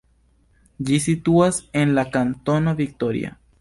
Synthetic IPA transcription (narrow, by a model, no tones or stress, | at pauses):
d͡ʒisit̪uasenlakant̪onaβik̚t̪oɾja̰